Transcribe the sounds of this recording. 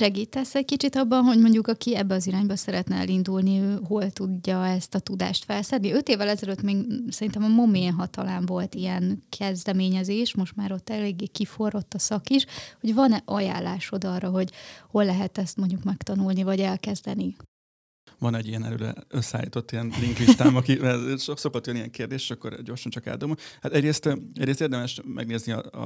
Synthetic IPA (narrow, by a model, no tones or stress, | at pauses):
ʃɛɡiːt̪ɛsːɛckit͡ʃit̪ɒbːɒnɦo̞ɟmo̞ɲɟukɒkiɛbːɛɒziɾaːɲbɒsɛɾɛt̪nɛɛ̰lind̪ulniøːɦo̞lt̪uɟːɒɛst̪ɒt̪ud̪a̰ːʃt̪fɛlsɛnːiø̞t̪eːvːɛlɛzɛløt̪meːɡsɛɾint̪ɛmɒmo̞meːnɦɒt̪ɒlaːɱvo̞lt̪iɛnkʰɛzd̪ɛmeːɲɛzeːʃmo̞ʃt̪maːɾo̞t̪ːɛleːɡːeːkifo̞ro̞t̪ːɒsɒkiʃho̞ɟvɒnɛʔɒja̰ːlːaːʃo̞d̪ɒrːɒɦo̞ɟho̞lːɛɦɛt̪ɛst̪mo̞ɲɟukmɛkt̪ɒnulnivɒɟɛlkɛzd̪ɛni | vɒnɛɟːijɛnɛ̰lø̰ːlɛ̰øsːa̰ːjḭt̪o̞t̪ːijɛnliŋkiʃt̪aːmɒkiɛʃokso̞kot̪ːjnijɛŋkeːrd̪eːʃeːʃɒkːo̰ɾɟo̞ːrʃɒnt͡ʃɒka̰ːd̪oːmohat̪ɛɟreːst̪ɛɟɾeːst̪eːrd̪ɛmɛʃmɛ̰ɡneːzniɒ̰